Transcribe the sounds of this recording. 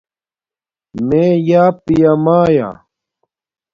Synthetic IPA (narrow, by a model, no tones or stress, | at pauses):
meːjaːpijamaːja̰